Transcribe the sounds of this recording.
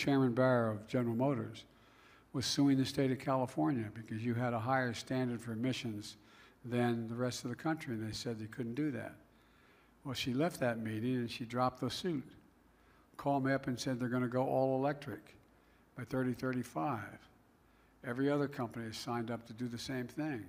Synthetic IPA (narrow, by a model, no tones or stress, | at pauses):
t͡ʃʰɛɹmɨ̃nbæɹəʌvd͡ʒɛnə˞l̩ˠmoʊɾə̰˞z̥ | wʌz̥sʉɪ̃ŋðɨsteɪɾʌv̥kʰælˠəfɔɹnjɨbɨkʰʌzjɨɨɾəɦaɪə˞stæ̃ndə˞d̥fə˞mɪʃɨ̃nz | ðɨ̃nðɨɹɛstʌvðɨkʰʌ̃nt͡ʃɹ̥iɨ̃nðeɪsɛd̪̚ðeɪkʰʊdⁿn̩d̥ɨðæ̰t̚ | wɛlˠʃilɛft̪̚ðɨt̚miɾɪ̃ŋɨ̃nʃidɹɑp̚t̪̚ðəsʉt̚ | kʰɔmʌpɨ̃nsɛd̪̚ðə˞ɡʌñɨɡoʊʔɔlˠəlɛk̚tɹ̥ɨk | b̥aɪθɜ˞ɾiθɜ˞ɾifaɪv̥ | ɛvɹiʌðə˞kʰʌ̃mpɨniɨz̥sãɪ̃ndʌp̚tʰɨdɨðɨsẽɪ̃mθɪ̃ŋ